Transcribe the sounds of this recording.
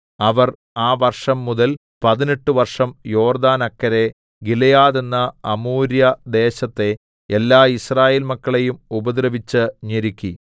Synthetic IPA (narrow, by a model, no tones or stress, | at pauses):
ɐʋɐr | aːʋɐrʂɐmːuðɐl | pɐðineʈːɨʋɐrʂɐmjo̞ːrd̪aːnɐkːɐɾe̞ | ɡilejaːðe̞nːɐɐmuːɾjɐd̪e̞ːɕɐt̪ːe̞ː | lːaːisraːjeːlmɐkːɐɭejumubɐd̪ɾɐʋit͡ɕːɨɲeɾikʲːi